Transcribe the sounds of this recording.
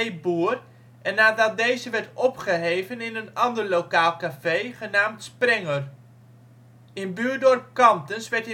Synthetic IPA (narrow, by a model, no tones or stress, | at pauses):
buːr | ʔɛnːaːdɑt̚dejzəʋɛɹtɔpχəɦejvənɪnənɑndəɹlowkaːlˠkafejχənaːmtsprɛŋər | ɪnbyːɹdɔɹp̚kɑmtənsʋɛɹt